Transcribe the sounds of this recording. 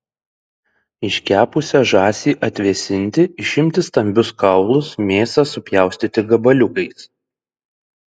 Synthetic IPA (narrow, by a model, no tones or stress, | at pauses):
ɪʃʲkʲæːpʊsʲɛʒɑːsʲiːʔɐt̪ʲʋʲiɛsʲɪnʲˑt̪ʲɪɪʃʲɪmʲt̪ʲɪst̪ɐmʲbʲʊskɐʊlˠʊsmʲeːsɑsʊpʲjæˑʊsʲt̪ʲit̪ʲɪɡɐbɐlʲʊkɐɪs